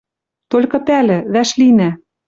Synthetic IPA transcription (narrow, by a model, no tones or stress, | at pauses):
t̪olʲkɤ̆pælʲɘ̆ðæʃlinæ